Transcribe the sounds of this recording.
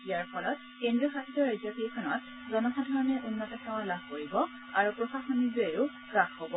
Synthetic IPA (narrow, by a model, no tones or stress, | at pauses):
ijaɹpʰɔlɔt | kendɹiɔxakʰitɔɹajzapikʰɔnɔt̚ | zɔnɔɦadʱɔɹɔnɛʔunːɔtɔkʰaw̃alabʱkoɹibɔ | aɹupɹɔsaxɔnilueʊ | ɡaxhɔbɔ